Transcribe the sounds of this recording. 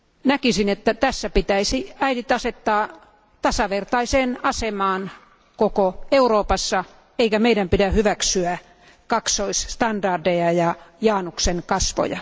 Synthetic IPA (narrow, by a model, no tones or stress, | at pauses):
nækisinet̪ːæt̪æsːæpit̪æisiæidit̪ɑset̪ːɑː | t̪ɑsɑʋert̪ɑiseːnɑsemɑːn | kokoeuroːpɑsːɑ | eikæmeidæmpidæhyʋæksyæ | kɑksoisst̪ɑndɑrdejɑjɑjɑːnukseŋkɑsʋo̰jɑ̰